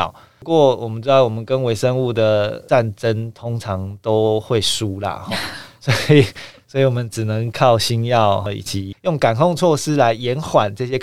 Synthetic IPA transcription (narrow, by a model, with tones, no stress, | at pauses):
ʊ | kwɔ˥˨˩wɔ˨˩mə˨˦nʈ͡ʂɻ̩˥d̪ɑ˥˩ʊwɔ˨˩mə˦nkə˦nwe˧˥ɪʂə˦ŋu˥˩d̪ə˩a˥˨nʈ͡ʂə˦nt̪ʰʊ˥ŋʈ͡ʂʰɑ˧˦ŋt̪o˦˥ʊxwe˥˩ɪʂu˥lə̰˨xɔ˥˩swɔ˧˥i˨˩swɔ˧˥i˨wɔ˨mə˦nʈ͡ʂɻ̩˨˩nə˧˦ŋkʰɑ˥˩˨ʊɕi˥njɑ˥˨ʊɔ˧ḭ˨˩t͡ɕʰi˨˩jʊ˥˩ŋka˨˩nkʰɔ˥˧ŋt͡sʰwɔ˥˧ʂɻ̩˥la˧˦ɪjɛ˧˥nxwa˨˩nʈ͡ʂɤ˥˧˩ɕjɛ˦˥